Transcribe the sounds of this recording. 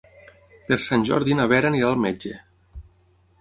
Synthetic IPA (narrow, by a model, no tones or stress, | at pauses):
peɾsanʲʒɔ̰ɾðinaβɛɾaniɾalˠmed͡ʒe